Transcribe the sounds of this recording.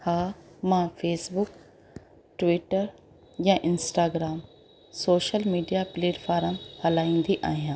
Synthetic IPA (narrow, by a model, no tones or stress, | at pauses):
haːmãːfʰeːsbʊk | ʈʋiʈəɾ | jãːʔɪnsʈaːɡɾaːm | soːʃəlmiːɖijapleːɖfaːɾəmhɐlaːĩːn̆d̪iʔa̰ːɦijãː